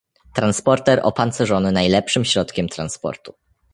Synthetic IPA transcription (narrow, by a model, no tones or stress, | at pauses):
t̪ɾanspɔɾt̪ɛɾʔɔ̰pant̪sɛʐɔnɘnajlɛpʂɘmɕɾɔt̪kʲɛmt̪ɾanspɔ̰ɾt̪u